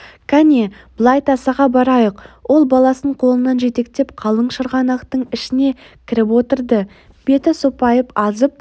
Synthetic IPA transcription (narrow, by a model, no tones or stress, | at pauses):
kʲʰæneb̥əlˠɑjt̪ɑsɑʁɑbɑɾɑjəqwʔo̞lˠbɑlˠɑsəɴqʰo̞lˠənɑnʒe̞t̪e̞kt̪e̞pqʰɑlˠəɴʃəɾʁɑnɑqt̪əɴɪʃɪne̞ | kʲʰɪɾɪpwo̞t̪əɾd̪ə | b̥e̞t̪ɪsopɑjəpɑzəp̚